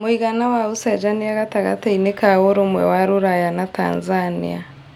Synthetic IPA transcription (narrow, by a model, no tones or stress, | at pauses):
moiɣanawausɛd͡ʒanijaɣataɣa̰tainekawoɾomwɛ̰waɾuɾajanata̰ːnzanḭa̰